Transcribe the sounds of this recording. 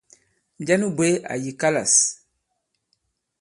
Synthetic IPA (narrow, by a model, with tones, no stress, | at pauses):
n˨d͡ʒa˦nu˦bwe˦a̰˨ji˨ka˦la̰˨s